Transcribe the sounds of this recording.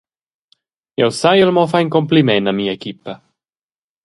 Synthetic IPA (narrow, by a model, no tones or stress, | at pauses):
jɛwsajɛlmɔfajnkɔmplimɛnamiːəekipə